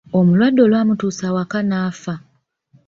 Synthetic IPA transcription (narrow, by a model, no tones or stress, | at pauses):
omulwadːo̞lwaːmutuːsawakanaːfa